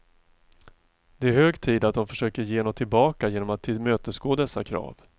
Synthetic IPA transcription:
d̪ɛæɾhøːɡt̪ʰiːd̪at̪̚d̪ɔmfœʂøːkəɾjeːnoːt̪ʰːɪlbɑːkajeːnɔmat̪ʰːɪmøːt̪əsɡoːd̪ɛsːa̰kʰɾɑ̰ːv

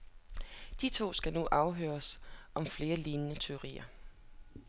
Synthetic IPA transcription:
d̥it͡sʰo̝̰ːsɡ̥ænuʔɑ̈ʊɦøːɐsʔɒ̽mfle̝ːɐliːnənət͡sʰe̝ʊʁḭːɐ

